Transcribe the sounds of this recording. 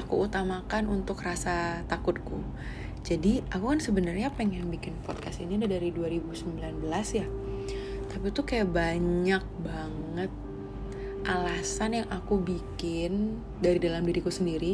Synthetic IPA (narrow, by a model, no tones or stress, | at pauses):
akuut̪amakanunt̪ʊkrasat̪akʊt̪̚ku | d͡ʒadiʔakukansəbənərɲapeŋɛnbikɪnpɔt̪̚kasiniadadaɾiduaɾibusəmbilanbəlasja | t̪apit̪ukajaʔbaɲak̚baŋ | ət̪̚ | ʔalasanjaŋʔakubikɪn | daɾidalamdiɾikusəndiɾi